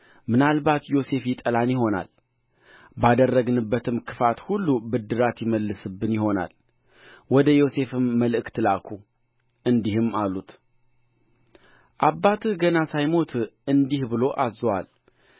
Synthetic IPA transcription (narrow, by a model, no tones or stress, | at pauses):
mɨnalbat̪jo̞se̞fjɪt̪ʼəlanjɪɦo̞na̰l | bad̪ərːəɡnɨbːət̪ʰɨmkʰɨfat̪hulːubɨd̪ːɨɾat̪jɪməlːɨsɨbːɨnjɪho̞na̰l | wɔd̪əjo̞se̞fɨmːəlɨʔɨkt̪ʰɨlakʰu | ʔɨnd̪ihɨmːalːut̪ | ʔabːat̪ʰɨɡənasajmo̞t̪ʰɨnd̪ihbɨlo̞ʔazwa̰l